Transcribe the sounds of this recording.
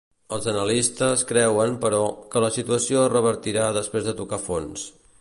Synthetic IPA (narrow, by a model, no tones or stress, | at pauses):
əlˠzənəlist̪əskɾɛwəmpəɾɔkələsit̪uəsioərəβ̞əɾt̪iɾaðəspɾezðət̪ukafons